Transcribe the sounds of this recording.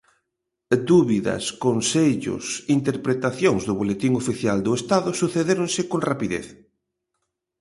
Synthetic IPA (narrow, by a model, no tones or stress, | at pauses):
d̪uβiðɐ̰skonseʎʊ̰sint̪eɾpɾet̪aθjoŋzðʊβ̞olet̪iŋofiθjald̪ʊest̪aðʊsuθeðeɾʊŋsɪkoŋrapiðḛθ